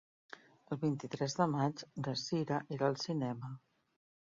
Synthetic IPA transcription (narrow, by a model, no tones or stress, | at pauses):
əlˠβint̪it̪ɾɛzðəmat͡ʃdəsiɾəʔeɾəlˠsinɛmə